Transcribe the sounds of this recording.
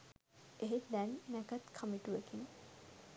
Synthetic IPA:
eɦet̪d̪ænːækət̪kʰamiʈuʋekin

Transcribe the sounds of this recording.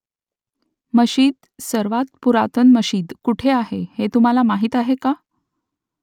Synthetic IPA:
məɕiːd̪ | səɾʋat̪̚puɾat̪ənməɕiːd̪kuʈʰeaɦehet̪um̤alamaɦit̪aɦeka

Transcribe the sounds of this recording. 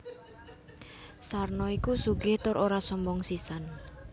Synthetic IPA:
sarnɔikusuɡɪht̪ʊɾʔoɾasɔmbɔŋsisan

